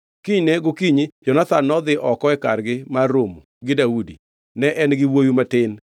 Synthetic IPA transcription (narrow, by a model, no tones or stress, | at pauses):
kiɲnɛɡokiɲɪd͡ʒɔnat̪anːɔd̪ɪʔɔkɔɛka̰rɡɪmaromuɡɪdaudi | nɛʔɛnɡɪwojumatɪn